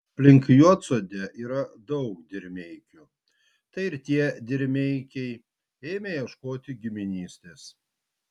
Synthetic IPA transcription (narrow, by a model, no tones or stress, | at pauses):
pʲlʲɪŋʲkjuɔt̪soːd̪ʲɛʔiːɾɐd̪ɐʊkd̪ʲɪɾʲmʲɛɪkʲu | t̪ɐɪɪɾt̪ʲiɛd̪ʲɪɾʲmʲɛɪkʲɛɪ | eːmʲejɛʃkoːt̪ʲɪɡʲɪmʲɪnʲiːsʲt̪ʲeːs